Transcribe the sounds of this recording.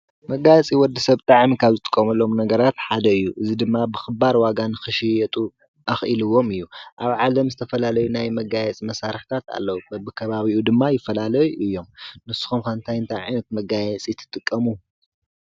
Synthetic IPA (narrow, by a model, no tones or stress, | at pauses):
mɐɡajɛt͡sʼiwɔd̪ːɐsɐβt̪ʼaʕmikʰaβzɨt̪ʼɨ̥kʼːɐmɐlːo̞mnɐɡɐɾat̪ħad̪ɐɨjːuʔɨzid̪ɨmːabɨxɨbaɾwaɡanɨxɨʃijɛt̪ʼu | ʔɐxʔilɨwo̞mɨjːuʔaβʕalɐmzɨt̪ʰɐfɐlalɐjunajmɐɡajɛt͡sʼimɐsaɾɨħt̪ʰat̪a̰lːɐwubɨkʰɐβaβiʔud̪ɨmːajɪfːɐlalɐjuʔɨjːo̞mnɨsːu̥xumkɐnt̪ʰajɨnt̪ʰajʕa̰jnɐt̪̚mɐɡajɛt͡sʼijɨt̪ʰːɨ̥t̪ʼɨkʼːɐmu